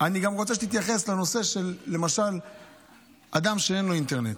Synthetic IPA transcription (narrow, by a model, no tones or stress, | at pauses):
aniɡamʁot͡seʃ̬eit̪jaχe̞sleno̞se̞ʃe̞lːe̞maʃal | ad̪amʃee̞nlo̞int̪eʁne̞t̪